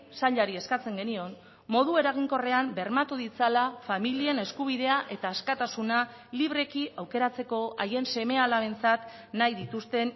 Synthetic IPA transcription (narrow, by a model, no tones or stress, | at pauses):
saʎaɾie̞skat͡se̞ŋɡe̞nio̞n | mo̞ð̞ue̞ɾaɣ̞iŋko̞re̞ambe̞ɾmat̪uðit͡salafamilie̞ne̞skuβ̞iðe̞aʔe̞t̪aːskat̪asuna | liβ̞ɾe̞kiʔawke̞ɾat͡se̞ko̞aje̞nse̞me̞alaβe̞nt͡sat̪ | najðit̪ust̪e̞n